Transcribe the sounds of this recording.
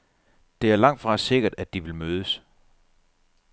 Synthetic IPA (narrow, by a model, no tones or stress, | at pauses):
d̥e̝æɐlɑ̈ŋ̰d̥fʁɑ̈se̝ɡ̥ɐd̥æd̥iʋe̝lmøːð̞ˠəs